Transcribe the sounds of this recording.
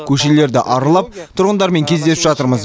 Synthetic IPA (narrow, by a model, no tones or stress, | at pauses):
kʲʰɵʃe̞le̞ɾd̪ɪʔɑɾəlˠɑp̚t̪ʰʊɾʁənd̪ɑɾme̞ŋkʲʰezd̪e̞sɪpʒɑt̪əɾməz